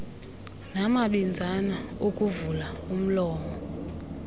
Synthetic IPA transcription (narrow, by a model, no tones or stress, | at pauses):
namaɓind͡zʱanaokʼuvulaum̩lɔːmɔ